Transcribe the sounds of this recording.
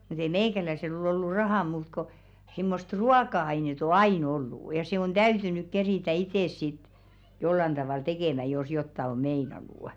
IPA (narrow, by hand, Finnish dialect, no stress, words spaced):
mut ei meikælæisel ol olːu rɑhɑˑ muːt ko simːost ruɑkɑɑinet o ɑiˑn olːuˑ jɑ se on d̥æytynyk keriˑtæ iteˑs sit jolːɑn d̥ɑʋɑl tekeˑmæ jos jotːɑ o meinɑnuˑ